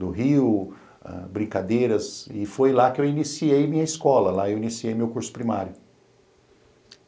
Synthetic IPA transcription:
d̪ʊɦiw | ɛ̰̃bɾĩŋkad̪ejɾɐzɪfojlakɪewinisiejmĩɲɐiskɔlɐlaewinisiejmewkuɾsʊ̥pɾimaɾjʊ

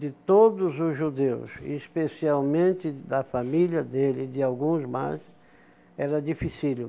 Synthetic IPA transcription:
d̪ɪt̪od̪ʊzʊzʒud̪ewsɪ̰ispesiawmẽnt̪ɪd̪ɐfamiljɐd̪elɪd̪ɪawɡũzmajs | ɛɾɐd̪ifisilʊ

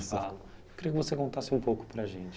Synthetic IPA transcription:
sawkɪɾijʊk̬ɪvosekõnt̪asɪũpowkʊ̥pɾɐʒẽnt͡ʃɪ

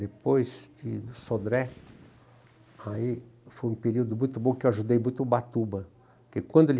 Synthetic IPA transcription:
d̪epojzd̪ɪd̪ʊsod̪ɾɛ | aifojũpeɾiwd̪ʊmũj̃t̪ʊbõkɪewaʒud̪ejmũj̃t̪ʊbat̪ubɐ | kekwɐ̃nd̪ʊel

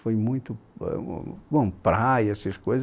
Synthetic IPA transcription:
fojmũj̃t̪ʊɛ̰bõpɾaiɛsɐskojz

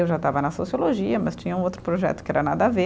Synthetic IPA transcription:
ewʒat̪avɐnɐsosioloʒiɐmɐst͡ʃĩɲɐ̃ũowt̪ɾʊpɾoʒɛ̰t̪ʊ̥kɪɛɾɐnad̪ɐave

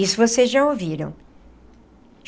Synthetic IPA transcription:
isʊvosezʒaowviɾɐ̰̃w̃

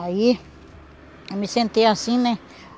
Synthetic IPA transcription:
ai | mĩsent̪easĩnẽ

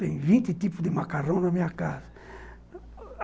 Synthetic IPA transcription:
t̪ẽj̃vĩnt̪ɪt̪ipʊd̪ɪmakaɾɐ̃w̃nɐmĩɲɐkazɐ

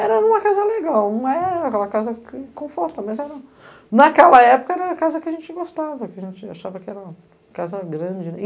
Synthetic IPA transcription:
ɛɾɐũmɐkazɐleɡawũmɐɛɾkɛlɐkazɐkɪkõfɔɾt̪ɐmɐzɛɾɐ | nɐkɛlɐɛpʊ̥kɐɛɾɐkazɐkɪaʒẽnt͡ʃɪɡost̪avɐkɪɐʒẽt͡ʃɪa̰ʃavɐkɪɛɾɐ | kazɐɡɾɐ̃d͡ʒɪ

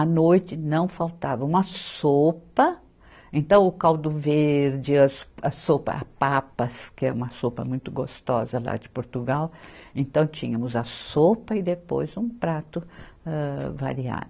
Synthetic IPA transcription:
ɐnojt͡ʃɪnɐ̃w̃fawt̪avɐũmɐsopɐ | ẽnt̪ɐ̃w̃ʊkawd̪ʊveɾd͡ʒɪɐsɐsopɐ̰a̰papɐskɪɛũmɐsopɐ̰mũj̃t̪ʊɡost̪ɔ̰zɐla̰d͡ʒɪpoɾt̪uɡawẽnt̪ɐ̃w̃t͡ʃḭ̃ɲɐmʊzɐsopɐɪd̪epo̰jzũpɾat̪ʊɛva̰ɾia̰d̪ʊ

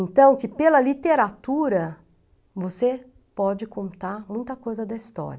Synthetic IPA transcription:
ẽnt̪ɐ̃w̃kɪpelɐlit̪eɾat̪uɾɐ | vose | pɔd͡ʒɪkõnt̪aɾmũj̃t̪ɐkojzɐd̪ɐist̪ɔ̰ɾɐ

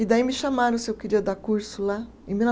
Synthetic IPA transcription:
ɪd̪aimɪʃamaɾɐ̃sɪewkeɾiɐd̪aɾkuɾsʊla | ẽmin

